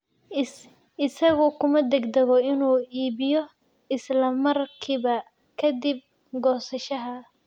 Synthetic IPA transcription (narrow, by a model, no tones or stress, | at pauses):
ɪsɐɣʊkʰʊmɐd̪ɛɡd̪ɐɣɔɪnuːiːbɪjɔ | ɪslɐmɐrkʰiːβɐ | kʰɐd̪ib̚ | ɡɔːsɐʃɐɦɐ